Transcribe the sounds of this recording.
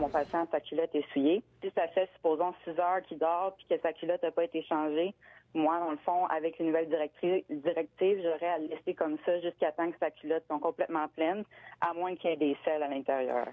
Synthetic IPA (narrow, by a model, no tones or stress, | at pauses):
mɔ̃pasjɑ̃sakʲylɔt̪ɛsujesisafɛsy̥poːzɔ̃sizœːʁkʲid̪ɑːʁpi̥kʲəsakʲylɔt̪apɔet̪eʃɑ̃ʒemwad̪ɑ̃ləfɔ̃a̰vɛklenuvɛlɛd̪iʁɛk̚t̪ivʒəʁɛallɛsekɔmsʌʒyskat̪ɑ̃kə̥sakʲylɔt̪sɔ̃kɔ̃plɛt̪mɑ̃plɛnamwɛ̃kʲɛd̪esɛlalɛ̃t̪eʁjœ̰ːʁ